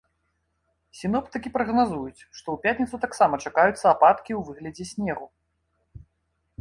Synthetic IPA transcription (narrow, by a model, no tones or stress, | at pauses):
sʲinɔpt̪ɨkʲipɾɐɣnazujut͡sʲʂt̪ɔwpʲat̪ʲnʲit̪sut̪aksamɐt͡ʂakajut̪sːɐapat̪kʲiwvɨɣlʲɐd͡zʲɛsʲnʲɛɣu